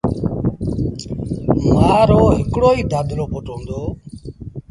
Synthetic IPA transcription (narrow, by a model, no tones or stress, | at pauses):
maːɾoːɦɪkɽoːiːd̪aːd̪ɾoːpoʈõːnd̪oː